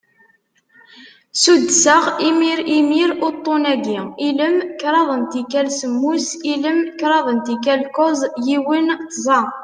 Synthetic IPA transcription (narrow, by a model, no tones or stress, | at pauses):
sud̪ːsəʁimiɾimiɾʊɾt̪ˤːonæɡiiləmkɾˤɑðˤənt̪ikælsəmːusiləmkɾˤɑðˤənt̪ikælkozˤjiwinzˤɑ